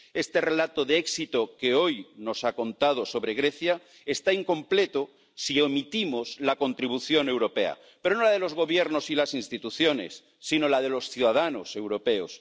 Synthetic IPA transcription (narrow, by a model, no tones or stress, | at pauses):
e̞st̪e̞re̞lat̪oðeeksit̪oke̞o̞jno̞sako̞nt̪að̞o̞so̞βɾe̞ɣɾe̞θja | est̪aiŋkõ̞mple̞t̪o | siemit̪imozlako̞nt̪ɾiβ̞uθjo̞ne̞wɾo̞pe̞a̰ | pe̞ɾonolað̞e̞lo̞zɣ̞o̞βjeɾno̞silasinst̪it̪uθjo̞ne̞̰sːino̞lað̞e̞lo̞sθjuðaðano̞se̞wɾo̞pe̞os